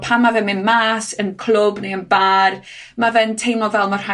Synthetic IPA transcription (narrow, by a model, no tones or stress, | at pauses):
pʰamːavɛmɪnmaːsənkʰlˠʊbneənbaːr | mavɛntʰejmɔvɛlˠmar̥a